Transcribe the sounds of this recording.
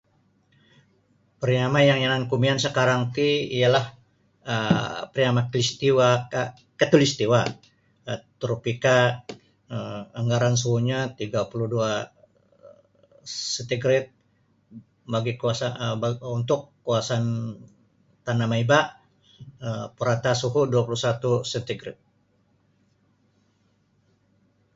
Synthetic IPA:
pəɾiamajaŋjanankumiansəkaɾaŋt̪iijalah | əpəɾiamaklist̪iwa | kat̪ulist̪iwa | ət̪ɾopika | əəŋɡaɾansuuɲat̪iɡapuluhdua | sɛnt̪iɡɾɪt̪̚ | baɡikuasaunt̪ʊkːuasan | t̪anamaiba | əpuɾat̪asuɦuduapulusat̪usɛt̪iɡɾɪ̰t̪̚

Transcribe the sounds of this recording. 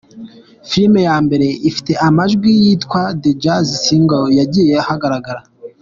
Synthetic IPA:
filme̞jaːmbe̞ɾe̞ʔifi̥te̞ʔamaʒɡwijitkwaded͡ʒazisiŋɡojaɟijehaɡaɾaɡaɾa

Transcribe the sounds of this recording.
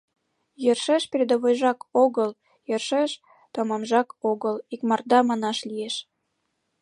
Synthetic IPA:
jørʃeʃpeɾʲed̪əβojʒɑkoɣəl | jerʃeʃ | t̪omɑmʒɑkoɣəlikmɑrd̪ɑmɑnɑʃlijeʃ

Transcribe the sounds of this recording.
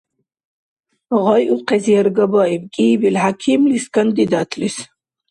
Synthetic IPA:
ʁɔjʔuqʰɛzijɛɾɡɐbɑibkʼiːbilhakʰimliskʰand̪id̪at̪ʰlis

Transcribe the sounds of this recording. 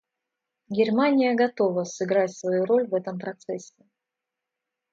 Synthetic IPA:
ɡʲɪrmanʲɪjəɡɐt̪o̞vəsɨɡɾatʲsvɐjuɾo̞lʲvɛt̪əmpɾɐt̪sɛsʲːɪ

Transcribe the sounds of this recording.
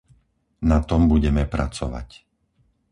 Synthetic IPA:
nat̪ɔmbuɟɛmɛpɾat͡sɔʋa̰c

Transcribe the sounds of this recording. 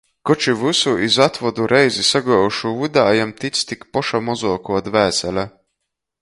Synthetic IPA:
kɔt͡ʃivusuʔizat̪vɔd̪uɾʔɛjzisaɡɔːuʃuvud̪aːjamt̪it̪st̪ikpɔʃamɔzuɔkuɔt̪væːsɛlʲa

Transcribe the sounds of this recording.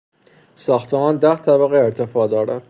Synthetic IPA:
sɒːxt̪ʰemɒːnd̪æht̪ʰæbæɣeeɾt̪ʰefɒːd̪ɒːɾæd̪

